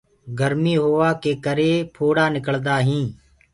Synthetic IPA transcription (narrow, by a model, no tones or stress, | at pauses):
ɡəɾmiːɦoːʋaːkeːkəɾeːpʰoːɽaːnɪkəld̪aːɦĩː